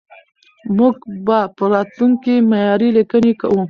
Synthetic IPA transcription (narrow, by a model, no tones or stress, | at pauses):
muɡbapəɾɑt̪luŋkimajɑɾilikəneka̰wu